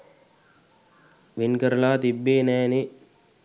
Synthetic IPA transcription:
ʋinkəɾɐlaːt̪ibːeːnɛːni

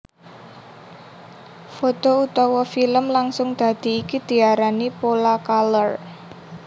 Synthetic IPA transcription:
fot̪out̪ɔwɔfiləmlaŋsʊŋd̪̥a̤d̪̥i̤ːkid̪̥i̤aɾanipolakalɔr

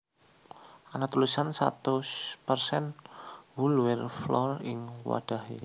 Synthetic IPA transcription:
ʔanat̪ulusansa̰t̪uspərsɛnwulwɛrflɔrɪŋwa̰d̥a̤ɦi

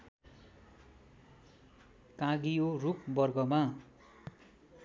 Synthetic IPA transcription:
kãɡijorukbʌrɡʌma

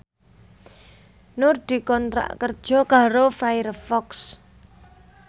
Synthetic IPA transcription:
nʊrd̪̥i̤kɔnt̪ɾa̰ʔkərd̥ʒ̥ɔ̤kaɾofajɾfɔks

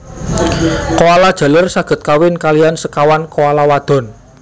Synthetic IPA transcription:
koalad̥ʒ̥a̤lərsaɡ̥ə̤t̪̚kawɪnkalijansəkawankoalawad̪̥ɔ̤n

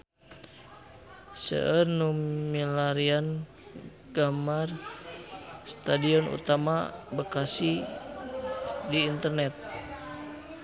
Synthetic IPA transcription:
sə̰ʔərnumilaɾian | ɡ̥amar | st̪adiɔnṵt̪amabəkasi | diːnt̪ərnɛt̪̚

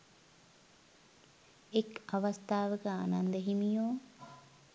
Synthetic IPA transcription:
ekɐʋɐst̪ʰaːʋəkəanɐnd̪əɦimijoː

